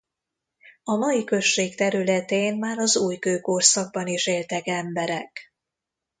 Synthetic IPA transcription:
ɒmɒjikø̞ʃːeːkt̪ɛɾylɛt̪eːnmaːɾɒzuːjkøːkorsɒɡ̚bɒniʃeːlt̪ɛkɛmbɛɾɛk

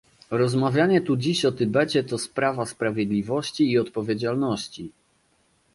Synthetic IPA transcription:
ɾɔzmavʲjaɲɛt̪ud͡ʑiɕɔt̪ɘbɛt͡ɕɛt̪ɔspɾavaspɾavʲjɛd̪lʲivɔɕt͡ɕiːɔt̪pɔvʲjed͡ʑalnɔɕt͡ɕi

